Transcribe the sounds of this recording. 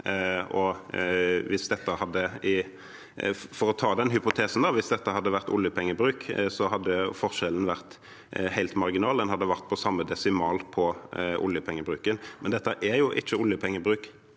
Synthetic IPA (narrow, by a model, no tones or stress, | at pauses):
ɔ | ʋɪsd̪ɛt̪ːəhɑd̪ːəɪ | fɔɾɔt̪ʰɑːd̪ɛnɦʏpʊt̪ʰeːsn̩d̪ɑʋɪsd̪ɛt̪ːəhɑd̪ːəʋæʁt̪ʊ̰ljəpʰɛŋːəbɾʉːksɔɦɑd̪ːəfɔʁʂɛln̩ʋæʁt̪ | hæɪlt̪mɑʁɡɪnɑːld̪ɛnhɑd̪ːəʋæʁt̪̚pʰɔsɑmːəd̪ɛsɪmɑːlpʰɔʔʊ̰ljəpʰɛŋːəbɾʉːkənmɛnd̪ɛt̪ːəʔæɾjʊʔɪt͡ʃːəʊljəpʰɛŋːəbɾʉːk